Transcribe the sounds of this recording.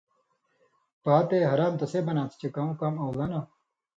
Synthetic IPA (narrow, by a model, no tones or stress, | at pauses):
paːt̪eɦɐɾaːmt̪ɐseːbɐnaːt͡s̪ʰt͡ɕekaːũkaːmɐwlɐna